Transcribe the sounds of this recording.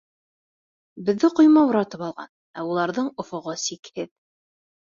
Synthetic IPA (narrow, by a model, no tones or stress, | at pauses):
bɘ̆ðːɘqŏjmɑuɾɑt̪ɤpɑlˠʁɑ̰n | æulˠɑɾðɤɴŏfŏʁɤsikhɘð